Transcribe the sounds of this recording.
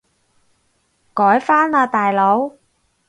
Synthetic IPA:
kɔː˨˥jfaː˥naː˧t̪aː˨jlo˨˧˥w

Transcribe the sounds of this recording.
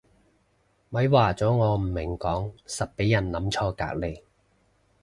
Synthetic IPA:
mɐ˨˥jwaː˨˩t͡sɔː˨˥ŋɔː˨˧m̩˨˩mɪ˨˩ŋkɔː˨˥ŋsɐ˨t̚pe˨˥jːɐ˨˩nlɐ˨˥mt͡ʃʰɔː˧ka̰ː˧˥k̚le˨˧j

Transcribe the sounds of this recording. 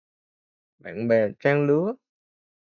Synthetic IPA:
ɓa̰ː˧˨nɓɛ˨˩t͡ɕaː˧ŋlɨ˨˦ə

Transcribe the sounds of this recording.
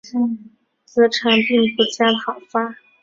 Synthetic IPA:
ŋ | t͡sɤ˧˥ʈ͡ʂʰa˧˥npi˥˧ŋpu˥˩t͡ɕja˥ɑ˨˩ʊfa˥

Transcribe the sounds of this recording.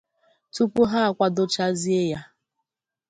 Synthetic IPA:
tu˦pu˦ɦa˦a˨kʷa˦do˦t͡ʃa˦zi˦e˦ja˦

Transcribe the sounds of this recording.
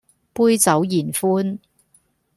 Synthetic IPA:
puː˥jt͡sɐ˨˥wjiː˨˩nfuː˥n

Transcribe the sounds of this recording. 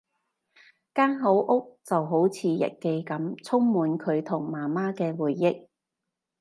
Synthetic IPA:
kaː˥ŋɦo˨˥wʔʊ˥k̚t͡sɐ˨wɦo˨˥wt͡sʰiː˨˧jɐ̰˨t̚ke˧jkɐ˨˥mt͡sʰʊ˥ŋmuː˨˧nkʰɵ˨˧ɥt̪ʰʊ˨˩ŋmaː˨˩maː˥kɛː˧wuː˨˩jːɪ˥k̚

